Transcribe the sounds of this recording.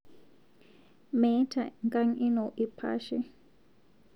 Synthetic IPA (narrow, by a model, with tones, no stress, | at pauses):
mɛ˨˦tʰa˨ŋkʼa˦ŋi˦nɔ˨ʔi˦pʰa̰ː˦ʃɛ̰˦